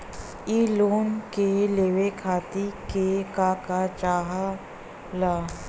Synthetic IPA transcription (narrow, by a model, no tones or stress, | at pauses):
iːloːnkeleːʋekʰaːt̪ikekaːkat͡ʃaːɦa | laː